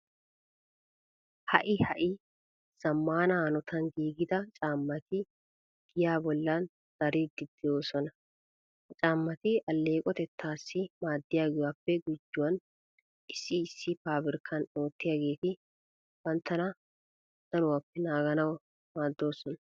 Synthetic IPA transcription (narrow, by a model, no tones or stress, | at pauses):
hɐʔɪhɐʔɪ | sɐmːaːnɐnɔt̪ɐnɡ̪iːɡɪd̪ɐt͡ʃʼaːmːɐt̪ɪ | ɡ̥ɪjaːbɔlːan | z̥ɐɾiːd̪ɪd̪ːɪjo̞ːsɔnɐ | t͡ʃʼaːmːɐt̪ɪʔɐlːe̞ːkʼɔt̪ɛt̪ːaːsːɪmaːd̪ːɪjaːɡɪwaːpːɛɡʊd͡ʒːʊwɐn | ʔɪsːɪːsːɪpaːbɪɾɪkʰɐno̞ːt̪ːɪjaɡe̞ːt̪ɪ | wɐnt̪ːɐnɐ | d̪̥ɐnʊwapːɛnaːɡɐnɐwɐ | maːd̪ːo̞ːsɔnɐ